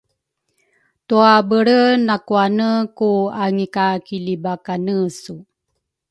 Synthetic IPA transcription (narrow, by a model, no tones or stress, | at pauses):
tuabəɾənakuanəkuaŋikakilibakanəsu